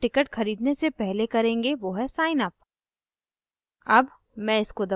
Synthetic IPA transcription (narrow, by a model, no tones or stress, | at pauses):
ʈɪkəʈxɐɾiːd̪nesepɛɦlekɐɾẽːŋɡeʋoːɦɛsaːɪnɐp̚ | ɐb | mɛ̃ɪskod̪ɐ